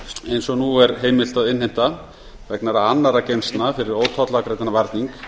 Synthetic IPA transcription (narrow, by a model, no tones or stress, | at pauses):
ejnsɔnuɛɾɦeːjmɪl̥t̪aðɪnhem̥t̪a | vɛknaɾaanːaɾacejnst̪nafɪɾɪɾoːwt̪ʰɔt̪lakɾejt̪anavaɾt̪niŋk